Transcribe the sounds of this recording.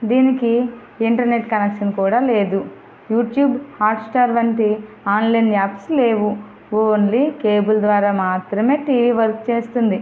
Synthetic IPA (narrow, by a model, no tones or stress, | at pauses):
d̪iːniki | iɳʈɐɾne̞ʈkɐnɐkʂɐnkuːɽaːle̞ːd̪u | juːʈjuːbhaːɾʈsʈaːɾʋɐɳʈi | aːnlɐjnaːpsle̞ːʋu | ʋoːnlikeːbuld̪ʋaːɾaːmaːt̪ɾɐme̞ːʈiːʋiːʋɐɾkt͡ʃeːst̪und̪i